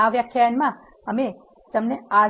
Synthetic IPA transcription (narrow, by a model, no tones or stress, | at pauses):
aʋjəkʰjanmã | əme | t̪əmnea